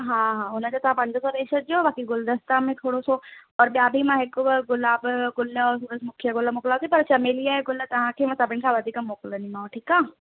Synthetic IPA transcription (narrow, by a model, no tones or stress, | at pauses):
ɦãɦãʊnə̃d͡ʒot̪ɐɦãpɐ̃ɳd̪əsod̪eːʃəd͡ʒobaːkiɡʊld̪əst̪amẽt̪ʰoːɽosoɔːɾbjaːbʱimãɦekoɡʊlaːbɡʊlːəɔːɾuɾəsmʊkʰjəɡʊləmʊklaot̪ipɐɾt͡ʃɐmeːlijaeɡʊlːət̪ɐɦãkʰemɐ̃sɐbɪnkʰaʋɐd̪ʱikəmoklənimãːʈʰiːkaː